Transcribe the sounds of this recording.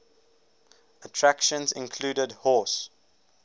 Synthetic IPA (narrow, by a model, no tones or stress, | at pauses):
ətʰɹækʃə̃nzɪ̰̃nkʰluːdədhɔˑs